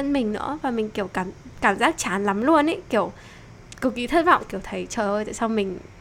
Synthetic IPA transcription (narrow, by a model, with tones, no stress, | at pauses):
ə˧˥nmï˨˩ŋ̟nɨ̰˧˥əvaː˨˩mï˨˩ŋ̟ki˧˩əwkaː˧˩mkaː˧˩mzaː˦˥k̚t͡ɕaː˨˦nla˨˦mlu˧ənʔe˧˦ki˧˩əw | ki˨˧˩wki˨˦t̪ʰə˦˧˥t̚vɔ̰˧˨wŋ͡mki˧˩əwt̪ʰə˨˦jt͡ɕəː˨˩jʔo˧jt̪a̰ː˧˨jsa˧wmï˨˩ŋ̟